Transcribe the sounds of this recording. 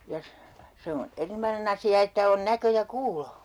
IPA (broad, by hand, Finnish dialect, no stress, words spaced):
jɑ se on erinomɑnen ɑsiɑ etːæ on nækø jɑ kuːlo